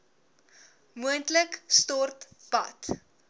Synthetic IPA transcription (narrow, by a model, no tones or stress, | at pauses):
muəntləkstɔrtpɐ̰t